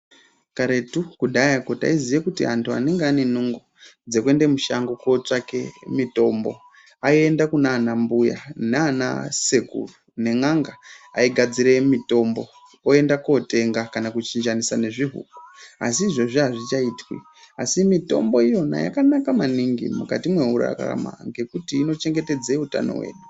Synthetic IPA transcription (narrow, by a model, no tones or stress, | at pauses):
kaɾe̞tukuɗʱajakota̰izijekutiantʰua̰neŋɡeane̞nuŋɡod͡ze̞kwe̞ndemuʃaŋɡukot͡ʂake̞̰mito̞mbo̞̰ | aie̞ndakunaːnambuja̰neana̰se̞ɡʱṵrune̞ŋaŋɡaaiɡʱad͡ziɾe̞mito̞mbo̞ | oe̞ndako̞te̞ŋɡakanakut͡ʃind͡ʒanisane̞ʐiɦṵːkua̰siːʐo̞ʐiaʐit͡ʃaitwḭ | asimito̞mbo̞ijo̞na̰ja̰kanakamaniŋɡḭmuka̰timwe̞ɦuɾa̰ka̰ra̰ma̰ŋɡe̞kutiːno̞t͡ʃe̞ŋɡe̞te̞d͡zeuta̰no̞̰we̞̰ːɗu